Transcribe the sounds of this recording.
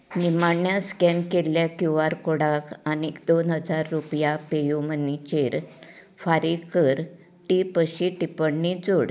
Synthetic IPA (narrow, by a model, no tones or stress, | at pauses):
nimaɳjaskɛnkeljakjuaɾkoɽakañid̪onɦəd͡zaɾːupjapejumənit͡ɕeɾ | faɾikəɾ | ʈipəɕiʈipəɽnid͡zoɽ